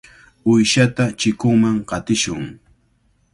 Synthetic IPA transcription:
ʊjʃat̪at͡ʃɪkʊŋmaŋqɑt̪ɪʃʊŋ

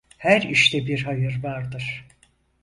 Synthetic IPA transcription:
hæɾiʃt̪ɛbiɾɦajɯɾvaɾd̪ɯɾ̥

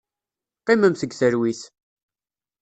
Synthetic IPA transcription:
qːimæmθəɡθəɾwiθ

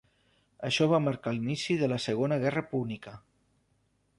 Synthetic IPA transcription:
əʃɔβ̞aməɾkalinisiðələsəɣonəɣɛrəpuβlikə

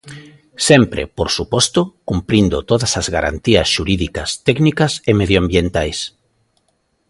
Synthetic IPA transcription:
sɛmpɾḛpoɾsupɔst̪ʊkumpɾind̪ʊt̪oðɐsɐzɣaɾa̰nt̪iɐsʃuɾiðikɐst̪ɛknikɐsemeðjoambjent̪ajs

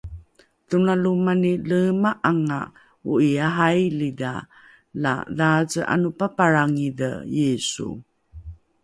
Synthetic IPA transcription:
tunalumaniləmaʔaŋa̰ | uijaɦajlida̰ | la̰ðazəʔa̰nupapaɹaŋidə̰jesṵ

